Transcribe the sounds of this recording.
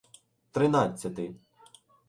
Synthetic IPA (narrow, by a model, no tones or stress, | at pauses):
t̪ɾɪnɑt͡sʲːɐt̪ɪ